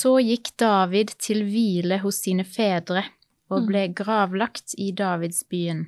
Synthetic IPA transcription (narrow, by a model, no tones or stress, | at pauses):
soːjɪkd̪̥ɑːʋɪd̪t̪ʰɪlʋiːləhʊsiːnəfeːd̪ʁə | oːbleːɡʁɑːʋlɑkt̪ʰiːd̪ɑːʋɪd̪sbyːən